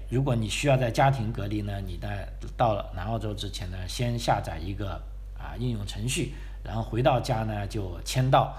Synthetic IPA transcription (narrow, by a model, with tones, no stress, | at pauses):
ɻu˧˥k̬wɔ˧˥ni˨˩ɕy˥jɑ˥˧ʊt͡sa˥˩ɪt͡ɕja˥t̪ʰi˧˥ŋkɤ˧˥li˧˩nə˨ni˨˩t͡sa˥˧ɪ | t̪ɑ˥˩ʊlə̰˩na˧˥ɑ˥˧ʊʈ͡ʂo˥ʊʈ͡ʂɻ̩˥t͡ɕʰjɛ˧˥nd̪ə˧ɕjɛ˥nɕja̰˥˩t͡sa˨˩ɪi˧˥ɡə˧ | ə̰˧i˥˧njʊ˥˩ŋʈ͡ʂʰɤ˧˥ŋɕy˥˩ | ɻa˧˥nxo˥˩ʊxwe˧˥ɪt̪ɑ˥˩ʊt͡ɕja˥nə˨t͡ɕjo˥˩ʊt͡ɕʰjɛ˥nt̪̬ɑ˥˩ʊ